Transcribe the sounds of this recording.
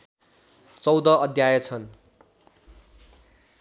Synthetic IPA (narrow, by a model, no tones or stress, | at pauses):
t͡sʌwd̪ʌʌd̪ʱjajʌt͡sʰʌn